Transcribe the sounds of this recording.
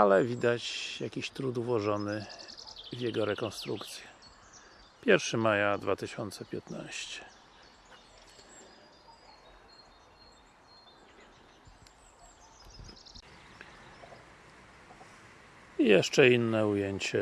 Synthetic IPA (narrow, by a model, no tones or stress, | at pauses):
alɛvʲid̪at͡ɕjakʲiɕt̪ɾud̪vwɔʐɔnɘ | vʲjɛɡɔɾɛkɔnst̪ɾukt̪sʲjɛ̥ | pʲjɛɾfʂɘmajad̪vat̪ɘɕɔnt̪sɛpʲjɛt̪na̰ɕt͡ɕɛ̥ | ijɛʂt͡ʂɛinːɛujeɲt͡ɕɛ